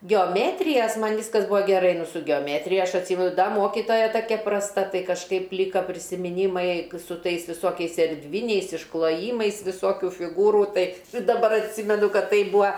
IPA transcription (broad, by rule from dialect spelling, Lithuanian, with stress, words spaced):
ɡʲɛoːˈmʲeːtʲrʲɪjɛs ˈmɐnʲ ˈʋʲɪskɐs ˈbuːɐ ɡʲɛˈrɐɪ ˈnʊ sʊ ɡʲɛoːˈmʲæːtʲrʲɪjɛ ˈɐʃ ɐtʲˈsʲiːmʲɛnʊ ˈdɐ ˈmoːkʲɪtoːjɛ ˈtɑːkʲɛ prɐsˈtɐ ˈtɐɪ kɐʃˈkɐɪp ˈlʲiːkɐ pʲrʲɪsʲɪmʲɪˈnʲiːmɐɪ sʊ ˈtɐɪs ʋʲɪˈsoːkʲɛɪs ɛrʲˈdʲʋʲɪnʲɛɪs ɪʃklˠoːˈjiːmɐɪs ʋʲɪˈsoːkʲʊ fʲɪˈɡuːruː ˈtɐɪ dɐˈbɐr ɐtʲˈsʲiːmʲɛnʊ ˈkɐt ˈtɐɪ ˈbuːɐ